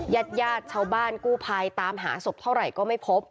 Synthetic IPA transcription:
jaː˥˩t̪̚jaː˥˩t̪̚t͡ɕʰaː˥˩wbaː˥˩nkuː˥˩pʰa˧jt̪aː˧mɦa̰ː˩˦so˨˩p̚t̪ʰa˥˩wɾa˨˩jkɔː˥˩ma˥˩jpʰo˦˥p̚

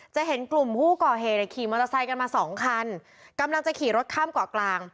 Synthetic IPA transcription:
t͡ɕa˨˩ɦe˩˦nklu˨˩mpʰuː˥˩kɔː˨˩ɦeː˨˩t̪̚a˨˩kʰiː˨˩˦mo˧t̪a˧sa˧jka˧nmaː˧sɔː˩˦ŋkʰa˧n | ka˧mla˧ŋt͡ɕa˨˩kʰiː˨˩˦ɾo˦˥t̪̚kʰaː˥˩mkaː˨˩klaː˧ŋ

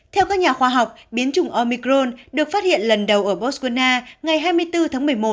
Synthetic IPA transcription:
t̪ʰɛ˧wkaː˦˥k̚ɲaː˨˩xwaː˧ɦa˨˩wk͡p̚ɓi˨˦ənt͡ɕʊ˨˧˩ŋ͡mʔɔ˧mi˧kɾo˧nɗɨ˨˩ək̚faː˦˥t̚hḭ˧˨ənlə˨˩nɗə˨˩wʔəː˧˩ɓɔ˦˥skwu˧naː˧ŋa˨˩jɦaː˧jmɨ˧əjt̪ɨ˧t̪ʰaː˨˦ŋmɨ˨˩əjmo˨˩t̚

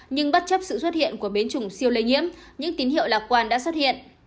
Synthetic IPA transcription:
ɲɨ˧ŋɓa˦˥t̚t͡ɕə˦˥p̚sɨ̰˧˨swt̚hḭ˧˨ənku˧˩əɓe˨˦nt͡ɕʊ˨˩ŋ͡msi˧əwlə˨˧jŋḭ˧˥əmɲɨ̰˧˥ŋt̪i˨˦nhḭ˧˨əwlaː˨˩kwaː˧˩nɗa̰ː˧˥swə˦˥t̚hḭ˧˨ənʔ

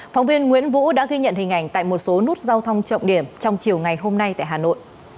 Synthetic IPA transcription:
fa˨˦wŋ͡mvi˧ənŋwḭ˧˥ənvṵ˧˥ɗa̰ː˧˥ɣi˧ɲə̰˧˨nhï˨˩ŋ̟ʔa˨˩jŋ̟t̪a̰ː˧˨jmo˨˩t̚so˨˦nu˦˥ət̚zaː˧wt̪ʰə˧wŋ͡mt͡ɕə̰˧˨ŋ͡mɗi˧˩əmt͡ɕɔ˧wŋ͡mt͡ɕi˨˩əwŋa˨˩jɦo˧mna˧jt̪a̰ː˧˨jɦaː˨˩no̰˧˨jʔ

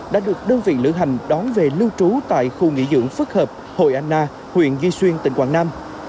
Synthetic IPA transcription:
ɗa̰ː˧˥ɗɨ˨˩ək̚ɗəː˧nvḭ˧˨lɨ̰˧˥ɦa˨˩jŋ̟ɗɔ˨˦nve˨˩lɨ˧wt͡ɕu˨˦t̪a̰ː˧˨jxu˧˩ŋḭ˧˥zɨ̰˧˥əŋfɨ˦˥k̚həː˨˩p̚ | ho̰˧˨jʔaː˧nʔaː˧ | hwḭ˧˨ənzi˧swi˧ənt̪ï˧˩ŋ̟kwaː˧˩ŋnaː˧m

